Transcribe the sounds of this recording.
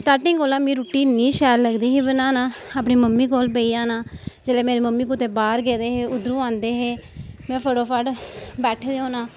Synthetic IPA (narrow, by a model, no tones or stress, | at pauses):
sʈaːɾʈɪŋɡoːlãːmĩːɾuːʈiːnːiːʃɛːɾləɡd̪iːɦiːbənaːnaːaːpɳiːməmːiːkoːlbeːiːaːnaːd͡ʒeːleːmeːɾeːməmːiːkut̪eːbaːɾɡeːd̪eːɦeːʊd̪ɾũːãːnd̪eːɦeːmɛ̃ːpʰəɽoːpʰaɖbɛːʈʰed̪eːõːnãː